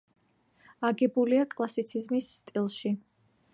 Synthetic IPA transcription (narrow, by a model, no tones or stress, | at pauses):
aɡɛbuliakʼlˠasit̪sʰizmisːt̪ʼilˠʃi